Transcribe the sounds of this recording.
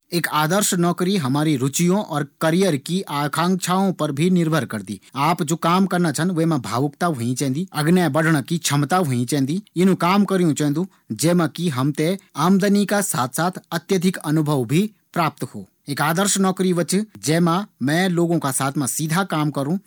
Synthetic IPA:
eːkaːd̪əɾʃnɔːkɾiɦɐmaːɾiɾʊt͡ʃijõʔɔːɾkɐɾijəɾkiʔaːkʰãːŋt͡ʃʰaːõpɐɾbʱinɪɾbʱəɾkɐɾd̪ḭːaːpd͡ʒoːkaːmkɐɾnat͡ʃʰɐnʋemãbʱa̰ːʋəkt̪aɦoĩt͡ʃɛ̃ːnd̪iɐɡnjabɐɖʱɳ̃əkit͡ʃʰɐmt̪aɦoĩt͡ʃɛ̃ːnd̪iɪnũkaːmkɐɾjũt͡ʃɛ̃ːnd̪ũ | d͡ʒɛːmãkiɦɐmt̪eaːmd̪ənikasaːt̪ʰsaːt̪ʰɐt̪jəd̪ʱɪkɐnʊbʱəʋbʱi | pɾaːp̚t̪ho̰ː | eːkaːd̪əɾʃnɔːkɾiʋət͡ʃd͡ʒɛːmãmɛ̃ːloːɡõkasaːt̪ʰmãsid̪ʱakaːmkɐɾũ

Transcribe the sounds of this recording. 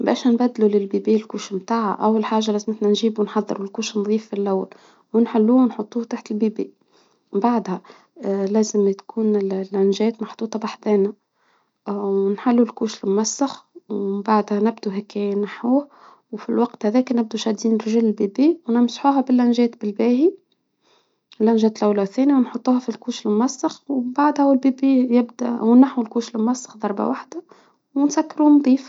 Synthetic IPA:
bæ̰ːʃnbæd̪ːlulɪlbiːbiːlkuːʃmt̪aːʕa̰ʔawːɪlħaːʒalæːzmɪt̪nænʒiːbunħɑðˤːɨɾʊlkuːʃnðˤiːfːilʔawːa̰l | wɪnħalːuːnħot̪ˤːuːt̪aːħt̪ɪlbiːbi | baʕd̪hæ | læːzɪmt̪kʰuːnɪlʔænʒɛːt̪mɑħt̪ˤuːt̪ˤɑbaħd̪ɛːna | ʔwnħalːulkuːʃɪlmʊmasːaxwmbaʕd̪hænɪbd̪uɦækːɛnaħuːh | wfilwɑqt̪hæðɛːkænɪb̚d̪uʃæd̪iːnɾʒilɪlbiːbiːwnɪmsħuːɦæbɪlʔænʒɛːt̪bɪlbæːhi | lʔænʒɛːt̪lʔawlæwθɛːnjawnħot̪ˤːuːhɑfilkuːʃɪlmʊmæsːɪxwbaʕd̪hæwɪlbibiːjɪbd̪æ̰wnaħuwlkuːʃlmʊmæsːɑ̥xd̪ˤɑɾˤba̰waħd̪a | wɪnsækːɾumd̪ˤiːf

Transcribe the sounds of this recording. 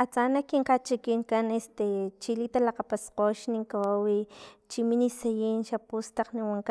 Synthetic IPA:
at͡sanakiŋqat͡ʃikiŋkanest̪et͡ʃilit̪alaqapasqoʃniŋkawawit͡ʃiminisajinʃapust̪aqniwaŋka

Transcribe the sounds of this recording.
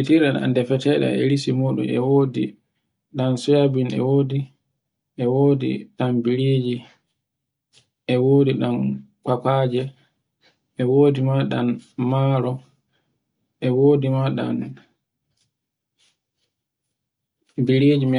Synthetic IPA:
itiɾɗɛna̰ndɛfɛtɛɗɛ̰ɛ̰lisimɔɗṵmɛ̰wodḭ | ɗansɔjabinɛ̰woːdi | ʔɛwodḭɗambiɾed͡ʒi | ʔɛwoːdiɗan | kakad͡ʒɛ | ɛwoːdimaɗanmaɾɔ | ʔɛwoːdimaɗa̰n | biɾed͡ʒim

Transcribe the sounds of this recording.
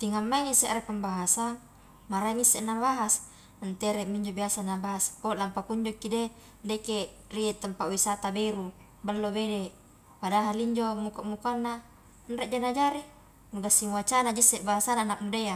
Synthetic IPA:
t̪iŋamːaŋesɛʔɾepəmbaɦasan | maɾaimisːeʔnabaɦas | nt̪eɾɛmiɲd͡ʒobiasanabaɦaspolampakuɲd͡ʒokːide | deke | riet̪əmpawisat̪abeɾu | bəlːobede | padaɦaliɲd͡ʒomukaʔmukanːa | nɾeʔd͡ʒanad͡ʒaɾi | nuɡasːiŋuat͡ʃanad͡ʒisːɛʔbaɦasananak̚mudea

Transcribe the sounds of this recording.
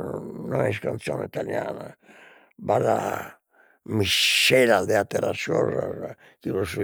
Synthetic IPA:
nɔɛskant̪sjɔnɛit̪aljaːna | baða | miʃɛlad̪ɛat̪ɛɾasɔraz | kiɾosu

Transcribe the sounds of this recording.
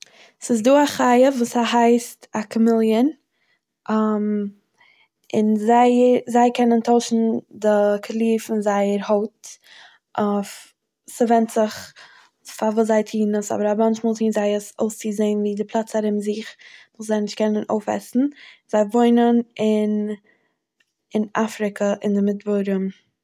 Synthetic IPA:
sɪs̬duːaχaɪəvuːsaɦaɪstakʰəmɪlˠjən | am | ɪnzaɪzaɪkʰɛnəntʰoʊʃn̩dɪkʰalˠiːfɪnzaɪəɾhoʊt | ʔaf | sɪvɛntz̥ɪχ | favuːszaɪtʰiːnəsɔ̰bəɾamant͡ʃmɔːlˠziːnzaɪəso̰ʊst͡sɪzeɪnviːdɪpʰlˠat͡saɾɪmzɪχvʊːszaɪnɪʃtkʰɛnəno̰ʊfɛ̰sn̩z̥aɪvoɪnənɪn | ɪnafɾɪkʰəʔɪndɪmɪdbɔɾəm

